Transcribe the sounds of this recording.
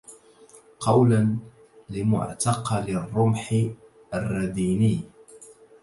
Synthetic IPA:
qɑwlan | lɪmʊ̰ʕt̪ɑqɑlɪrˤːʊmħɪ | arˤːɑd̪iːnɪj

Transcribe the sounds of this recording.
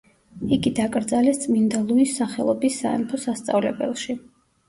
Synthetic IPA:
iɡid̪akʼɾd̪zalɛst̪sʼmind̪alˠuisaχɛlˠɔbisːa̰ɛ̰mt̪ʰɔsast̪sʼa̰vlɛ̰bɛ̰lˠʃi

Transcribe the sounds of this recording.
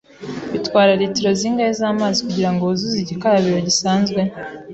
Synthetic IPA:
βitwaːɾaɾitiɾo̞ziːŋɡahezaːmaːzikuɟiɾaŋɡozuziɟikaɾaβiɾo̞ɟisaːnzɡwe̞

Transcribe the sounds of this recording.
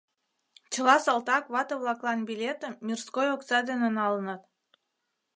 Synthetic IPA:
t͡ɕə̆lɑsɑlt̪ɑkβɑt̪əβlɑklˠɑnbilʲet̪əmːʲirskojoksɑd̪enenɑlənət̪

